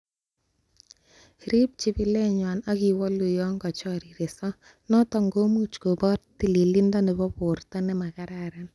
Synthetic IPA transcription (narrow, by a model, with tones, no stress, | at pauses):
ɾi˦p̚t͡ʃi˦bi˦lɛ˦ɲwa˨na˦ki˨wɔ˦lu˨jɔ˦ŋɡɔ˨t͡ʃɔɾi˨ɾe˨sɔ˦ | nɔ˦tɔ˨ŋɡo˦mu˦t͡ʃko˨bɔ˦rti˦˨li˨li˦ndɔ˦nɛ˨bɔ˦pʊ˨rta˦nɛ˦ma˨ka˦ɾa˨ɾan